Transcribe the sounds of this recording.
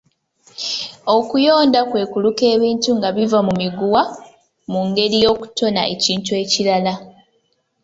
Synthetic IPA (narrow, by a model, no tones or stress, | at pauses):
o̞kujo̞ːndakwe̞ːkuluke̞ːβiːntuŋɡaβivamumiɡuwa | muŋɡe̞ɾijo̞ːku̥to̞na̰e̞̰ciːntue̞ːciɾala